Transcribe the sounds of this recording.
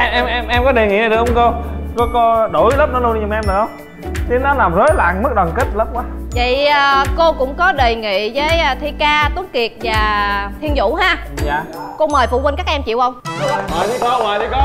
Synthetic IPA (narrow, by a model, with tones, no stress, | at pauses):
ʔɛ˧ʔɛ˧mʔɛ˧mʔɛ˧mkɔ˨˦ɗe˨˩ŋḭ˧˨na˨˩ɗɨ˨˩k̚ʔə˧ŋ͡mko˧kɔ˨˦ko˧ɗo˧˩jləː˦˥p̚nɔ˨˦lu˧n˧ɲʊ˨˩mʔɛ˧mɗɨ˨˩ə˧wŋ͡m | t͡ɕi˨˦nɔ˨˦laː˨˩mzəː˨˦jla̰ː˧˨ŋmɨ˦˥k̚ɗwaː˨˩nki˦˥t̚lə˦˥p̚kwaː˨˦və̰˧˨jə˨˩ko˧kʊ̰˧˥ŋ͡mkɔ˨˦ɗe˨˩ŋḭ˧˨zəː˨˦jːt̪ʰi˧kaː˧t̪u˨˦nki˨˩ət̚vaː˨˩t̪ʰi˧ənzʊ̰˧˥ɦaː˧ | jaː˨ | ko˧məː˨˩jfṵ˧˨wə˧nkaː˦˥k̚ʔɛ˧mt͡ɕi˧˨wʔə˧wŋ͡ma˨ji˨˦kɔ˨˦waː˨ji˨˦kɔ˦